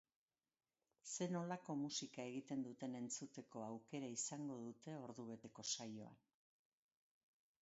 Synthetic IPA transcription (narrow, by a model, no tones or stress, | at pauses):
se̞no̞lako̞musikae̞ɣ̞it̪e̞nd̪ut̪e̞ne̞nt͡sut̪e̞ko̞awke̞ɾaisaŋɡo̞ðut̪e̞o̞ɾðuβ̞e̞t̪e̞ko̞sajo̞̰a̰n